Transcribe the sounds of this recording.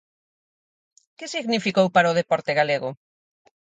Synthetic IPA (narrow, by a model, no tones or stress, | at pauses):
kɪsiɣnifikowpaɾaʊð̞epɔɾt̪eɣaleɣʊ